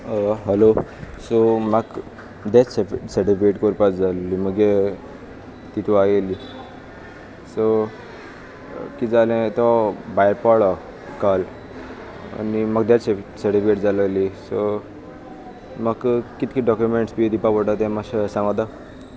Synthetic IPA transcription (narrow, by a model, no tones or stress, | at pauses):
ɦəlosɔmaɡ | d̪ɛt͡ssseʈipeʈkoɾpat͡sd͡zalliməɡe | t̪it̪ʰuajeli | sɔ | kid͡zalɛ̃t̪ɔbajɾpaɽɔ | kal | a̰nimaɡd̪ɛt͡ssseʈipeʈd͡zaləlisɔ | maɡkit̪kiɖɔkjumeɳʈsbid̪ipapəʈat̪ɛ̃maɕsãŋɡãt̪a